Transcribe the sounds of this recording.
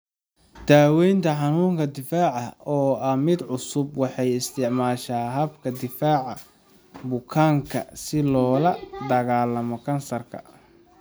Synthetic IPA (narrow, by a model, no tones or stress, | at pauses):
d̪̥aːwɛjnt̪ʰɐħɑnuːŋkʰɐd̪ɪfaːʕɑɔːɐmɪd̪ʕʊsʊbwɑħɑjɪst̪ʰɪʕmaːʃaːɦɐbkʰɐd̪ɪfaːʕɑ | bʊkʰaːŋkʰɐ̰sɪlɔːlɐd̪ɐɣaːlːɐmɔkʰɐnsɐrkʰɐ̰